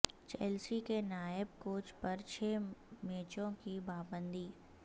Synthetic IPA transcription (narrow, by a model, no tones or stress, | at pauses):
t͡ʃɛːlsikenaːjɪb̚koːt͡ʃpɐɾt͡ʃʰemeːt͡ʃõkibaːbə̃nd̪iː